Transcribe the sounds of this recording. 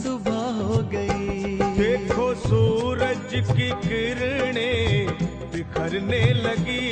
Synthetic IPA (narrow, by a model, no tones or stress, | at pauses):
d̪ʊbʱaɦoɡɐid̪eːkʰoːsuːɾəd͡ʒkikɪɾɽ̃eː | t̪ekʰɐɾneːlɐɡi